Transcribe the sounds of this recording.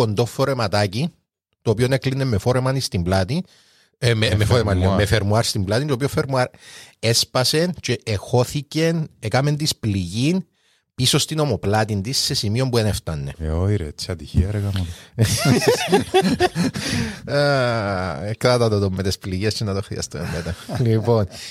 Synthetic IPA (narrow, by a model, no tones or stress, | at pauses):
ond̪o̞fːoɾe̞mɐt̪aci | t̪oːpio̞neklinːemːefo̞ɾemɐnist̪imblat̪i | memefoɾemamefeɾmuaɾst̪imblat̪int̪opiofeɾmuaɾespɐse̞nt͡ʃeʔːxo̞θice̞nekɐme̞nt̪ispliʝin | pisost̪ino̞moplɐt̪ind̪isːe̞simio̞mbueneft̪ɐnːe̞̰oiɾet͡ʃɐt̪içḭɐɾɣɐmɐ | kɐt̪ɐt̪ɐt̪ot̪omːet̪espliʝest͡ʃenɐt̪oxɾiɐ̰st̪ṵemmet̪ɐlipo̞n